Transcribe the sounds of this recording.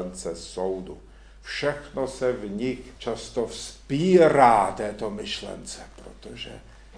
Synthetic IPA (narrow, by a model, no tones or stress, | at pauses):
nt͡sɛsowdu | fʃɛxnosɛvɲikt͡ʃast̪ofspiːɾaːt̪ɛːt̪omɪʃlɛ̰nt͡sɛpɾo̰t̪oʒɛ̰